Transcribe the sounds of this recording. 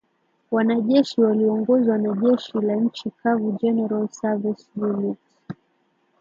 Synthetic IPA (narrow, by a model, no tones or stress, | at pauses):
wanaʄɛʃiwaliɔŋɡɔzawanaʄɛʃilaɲ̩t͡ʃikʰavud͡ʒɛnɛɾalsavɛsjunɛt